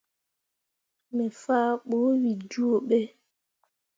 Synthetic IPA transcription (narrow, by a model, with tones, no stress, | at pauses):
mɛ˨faː˦ɓo˨˦wi˨d͡ʒu˦o˨ɓe˦